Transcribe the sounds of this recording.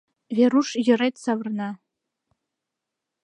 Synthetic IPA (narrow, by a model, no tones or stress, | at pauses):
vʲaɾuʂjɪrejtʰʼsavrna